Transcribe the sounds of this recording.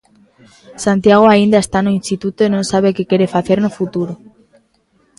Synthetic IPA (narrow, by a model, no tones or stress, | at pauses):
sant̪jaɣ̞oaind̪aest̪anoĩnst̪it̪ut̪oenonsaβ̞ekekeɾefaθeɾnofut̪uɾo